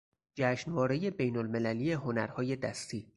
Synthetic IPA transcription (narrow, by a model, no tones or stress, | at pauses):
d͡ʒæʃnvɒːɾeje̞bejnolme̞læliːje̞ɦo̞næɾhɒːje̞d̪æst̪ʰiː